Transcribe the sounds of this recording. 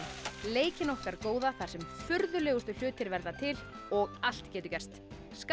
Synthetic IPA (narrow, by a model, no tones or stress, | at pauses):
leːjcɪnɔhkaɾkoːwðaθaɾ̥sɛmfʏɾðʏlɛːɣʏst̪ʏl̥ʏːt̪ɪɾvɛɾðat̪ʰɪl | ɔɣal̥t̪cɛːt̪ʏcɛrst̪ | sk